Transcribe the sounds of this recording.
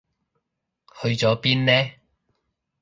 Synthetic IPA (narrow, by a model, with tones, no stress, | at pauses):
hɵ˧ɥt͡sɔː˨˥piː˥nnɛː˥